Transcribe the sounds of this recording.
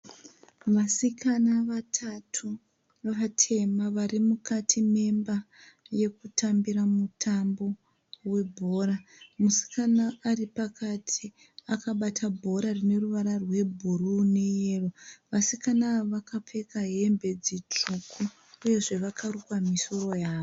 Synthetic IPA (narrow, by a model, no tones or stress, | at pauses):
ʋasikʰanaʋatʰatʰu | ʋaʋatʰe̞maʋarimukʰatʰime̞mba | je̞kutʰambiɾamutʰambo̞ | we̞bʱo̞ːramusi̥kʰanaːripakʰatʰi | akaɓatʰabʱo̞ɾarine̞ruʋaɾarwe̞bʱurune̞jeːroʋasikanaʋakap͡fe̞kaɦe̞mbe̞d͡zit͡ʂukʰuː | je̞ʐe̞ʋakʰarukwamiso̞ro̞jaːʋo